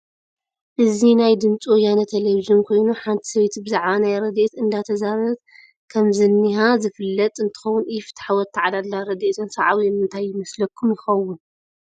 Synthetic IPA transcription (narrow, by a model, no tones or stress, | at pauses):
ʔɨzinajd̪ɨmt͡sʼwojanɐt̪ʰeleβiʒɨnkʰo̞jnuħant̪ʰi̥sɐβet̪bɨzaʕβanajɾɐd̪e̞t̪ɨnd̪at̪ʰɐzaɾɐt̪ | kʰɐmzɨnːiɦazɨfɨlːɐt̪ʼɨnt̪ʰɨ̥xɐwːʊnifɨ̥t̪ʰːħawɔt̪ʰːaʕad̪alːaɾɐd̪et̪ʰonsaʕawinɨnt̪ʰajːɪmɐslɐkʰːumjɪxɐwʊn